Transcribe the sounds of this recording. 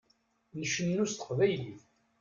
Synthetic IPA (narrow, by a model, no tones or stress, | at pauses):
nəʃənːust̪əqvæjliθ